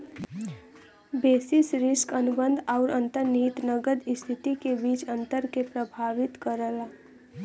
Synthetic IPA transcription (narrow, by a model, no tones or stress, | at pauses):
beːsɪsɾɪskənʊbə̃nd̪ʱaːʊɾʔə̃nt̪əɾniːt̪nəɡəd̪ɪst̪ʰɪt̪ikebiːt͡ʃə̃nt̪əɾkepɾəbʱaːʋɪt̪kəɾəlaː